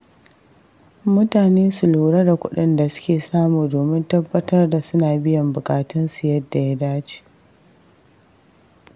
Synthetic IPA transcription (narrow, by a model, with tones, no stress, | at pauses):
mʊ˦taː˨neː˦sʊ˨luː˨ɽɐ˦da˨kʷʊ̰˦ɗɪ˦nda˨sʊ̥˦kʲeː˨saː˦muː˨doː˨mɪ˦ntɐ˦bːɐ˦tɐ˦rda˨sʊ˦naː˨bɪ˦jɐ˨mbʊ˨kʼaː˨tʊ˦nsu˨jɐ˦dːa˨ja˦daː˦t͡ʃi̥ː˨